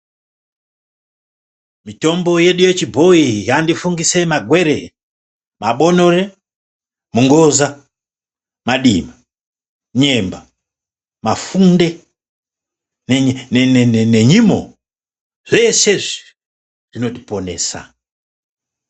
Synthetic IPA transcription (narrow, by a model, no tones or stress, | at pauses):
mito̞mbo̞je̞ɗujet͡ʃibʱo̞ijandifuŋɡise̞maɡʱwe̞ɾe | maɓo̞noɾe | muŋɡoza | maɗima | ɲemba | mafunde | nneneneneɲimo̰ | ʐ̥eseʐi | ʐ̥ino̞tiponḛsa̰